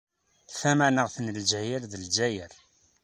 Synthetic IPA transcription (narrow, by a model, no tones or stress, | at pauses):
θæmænəʁθnəld͡ʒæjəɾðəld͡ʒæjəɾ